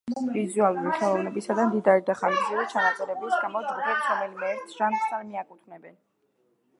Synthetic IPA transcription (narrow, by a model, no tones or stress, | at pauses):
vizualˠuɾiχɛlˠɔvnɛbisad̪amd̪id̪aɾid̪aχanzziɾɛt͡ʃʰanat̪sʼɛɾɛblisɡamɔd͡ʒ̪ɡubɛpsɾɔmɛlimɛt̪sʰʒamsaɾmiakʼut̪ʰvnɛbɛn